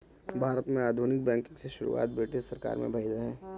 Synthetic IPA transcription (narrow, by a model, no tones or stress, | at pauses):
bʱaːɾət̪mẽaːd̪ʱunɪk̚bɛ̃ːŋkɪ̃ŋɡseʃʊɾṵa̰ːt̪̚beːʈesɐɾka̰ːɾmḛ̃bʱɐɪd̪ɦɛ̃ː